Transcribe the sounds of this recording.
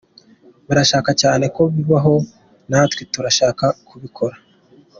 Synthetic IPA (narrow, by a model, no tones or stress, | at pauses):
βuɾaʃaːkacaːne̞ko̞βiβaɦo̞ | naːtwituɾaʃaːkakuβikʰo̞ɾa